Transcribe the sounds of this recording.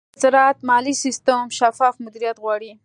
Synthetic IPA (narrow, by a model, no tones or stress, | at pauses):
zɾɑt̪mɑlisist̪əmʃafɑfmʊd̪iɾijat̪ɣwɑɽi